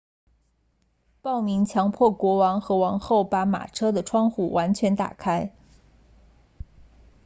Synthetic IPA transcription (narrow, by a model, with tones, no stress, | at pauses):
pɑ˥˩ʊmi˧˥ŋt͡ɕʰjɑ˧˥ŋpʰwɔ˥˩kwɔ˧˥wɑ˧˥ŋxɤ˧˥wɑ˧˥ŋxo˥˩ʊpa˧˥ma̰˨˩ʈ͡ʂʰɤ˥d̪ə˨ʈ͡ʂʰwɑ˥ŋxṵ˨˩wa˧˥nt͡ɕʰɥɛ˧˥nt̪a̰˨˩kʰa˥ɪ